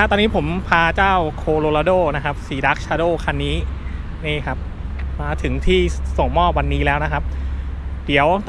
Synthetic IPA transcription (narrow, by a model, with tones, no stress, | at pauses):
a˦˥t̪ɔː˧niː˦˥pʰo˩˦mpʰaː˧t͡ɕaː˥˩wkʰoː˧loː˧laː˧doː˥˩na˦˥kʰa˦˥p̚siː˩˦da˦˥k̚t͡ɕʰaː˧doː˥˩kʰa˧nːiː˦˥ | ni˥˩kʰa˦˥p̚ | maː˧t̪ʰɯ˩˦ŋt̪ʰiː˥˩so˨˩ŋmɔː˥˩p̚wa˧nːiː˦˥lɛː˦˥wna˦˥kʰa˦˥p̚ | di˩˦əw